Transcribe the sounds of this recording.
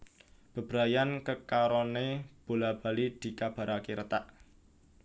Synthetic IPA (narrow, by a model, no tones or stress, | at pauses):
b̥ə̤b̥ɾajankəkaɾɔneb̥o̤lab̥a̤lid̪̥i̤kab̥a̤ɾʔakiɾət̪aʔ